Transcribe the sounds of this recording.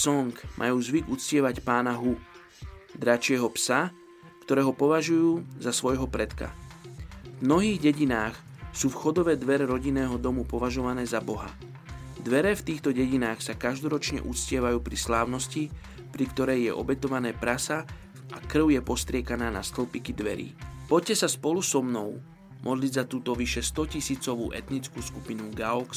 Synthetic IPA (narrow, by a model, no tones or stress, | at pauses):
sɔŋkmʔa̰juːzʋiɡut͡scɪɛʋacpaːnaɦu | d̪ɾat͡ʃɪɛɦɔpsa | kt̪ɔɾɛːɦɔpɔʋaʒujuːzasʋɔjɦɔpɾɛt̪ka̰ | vmnɔɦiːɣɟɛɟinaːxsuːfxɔd̪ɔʋɛd̪ʋɛɾɛɾɔɟinɛːɦɔd̪ɔmupɔʋaʒɔʋanɛːzabɔɦa̰ | d̪ʋɛɾɛft̪iːxt̪ɔɟɛɟinaːxsakaʒd̪ɔɾɔt͡ʃɲɛ̰ʔut͡scɪɛʋajuːpɾislaːʊnɔsci | pɾikt̪ɔɾɛjjɛʔɔ̰bɛt̪ɔʋanɛːpɾasa | ʔakr̩ʊjɛpɔst̪ɾɪɛkanaːnast̪l̩pikid̪ʋɛ̰ɾḭːpɔc̚cɛsaspɔlusɔmnɔʊ | mʔɔd̪liɟzat̪uːt̪ɔʋiʃɛst̪ɔcisiːt͡sɔʋṵːʔɛt̪nit͡skuːskupinuɡaɔks